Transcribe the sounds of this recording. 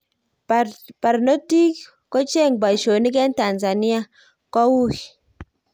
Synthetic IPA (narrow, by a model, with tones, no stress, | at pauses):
pa˨ɾno˦ti˦k | ko˦t͡ʃe˦˨ŋba˨ʃo˨ni˦k̬ɛ˦nta˨nza˨ni˦a˦ | kɔ˦wu˦k